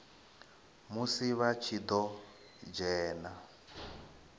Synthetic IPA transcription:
musiβat͡ʃʰid̪ɔ | d͡ʒɛːna

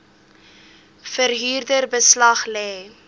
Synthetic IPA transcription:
fəɾɦiːrdərbəslɐχlɛː

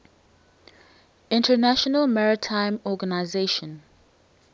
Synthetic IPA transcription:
ɪ̃ntʰənaʃɔnəlmaɹɪtʰãɪ̃mɔɡənaɪzeʃə̃n

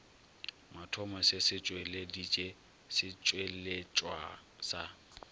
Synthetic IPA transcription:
matʰɔmasɪsɪt͡ʃʼweledit͡ʃʼe | sɪt͡ʃʼwelet͡ʃʼwasa

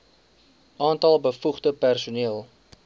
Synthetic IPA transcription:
ɑːntɐlˠbəfuχdəpærsuniəlˠ

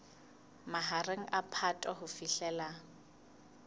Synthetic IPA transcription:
maɦareŋ̩ʔapʰatʼaɦʊfiɬɛla

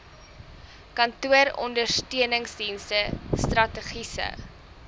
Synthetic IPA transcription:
kɐntuəɾɔ̰ndərstøənəŋsdinstəstrɐtəχisə̰

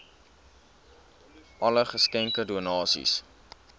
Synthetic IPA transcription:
ʔɐləχəskɛŋkəduənɑːsḭs

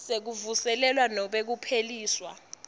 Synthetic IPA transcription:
sek̬uvusɛlɛlwanɔɓek̬upʰeliːswa̰

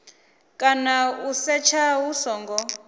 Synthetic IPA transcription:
kʼanausɛt͡ʃʰawusɔːŋɡɔ

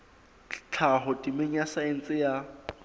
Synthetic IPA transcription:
t͡ɬʰaɦʊtʼimeɲ̩asaen̩t͡sʼɪja

